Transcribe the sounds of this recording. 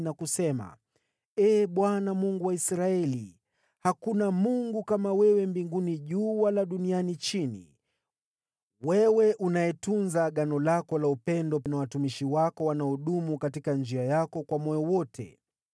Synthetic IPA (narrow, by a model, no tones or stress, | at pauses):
nakusɛma̰ | ɛːɓwanamuŋɡuwaisɾaɛli | hakunamuŋɡukamawɛwɛmbiŋɡuniʄuːwalaɗunianit͡ʃinḭ | wɛwɛʔunaɛtunzaɠanɔlakɔlaupɛndɔpnawatumiʃiwakɔwanaɔɗumukatikand͡ʒiajakɔkwamɔjɔwɔtʰɛ̰